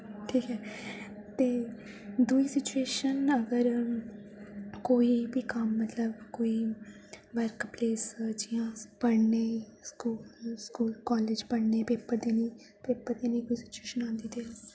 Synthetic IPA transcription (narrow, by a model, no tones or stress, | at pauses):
ʈʰiːkɛː | t̪eː | d̪uiːsɪt͡ʃueːʃənəɡəɾ | koːiːbiːkəmːət̪ləbkoːiː | ʋəɾkpleːsd͡ʒɪjãːpəɽneːskuːlskuːlkɔːleːd͡ʒpəɽneːpeːpːəɾd̪eːnĩː | peːpːəɾd̪eːnəĩːkoːiːsɪ̥t͡ʃueːʃənãːnd̪iːt̪eː